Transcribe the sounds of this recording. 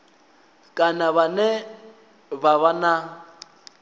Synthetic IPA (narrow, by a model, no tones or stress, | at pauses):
kʼanaβanɛ | baβana